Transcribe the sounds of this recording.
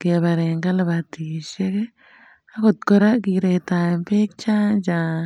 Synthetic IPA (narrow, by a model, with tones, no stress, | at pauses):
ke˨βa˨ɾe˨ŋɡa˦la˨βa˨t̪i˨ʃe˦ke˦ | a˦ko˨t̪̚ko˦ɾa˦ki˨ɾe˨ta˨e˨mpe˦k̚t͡ʃa˦nt͡ʃa˨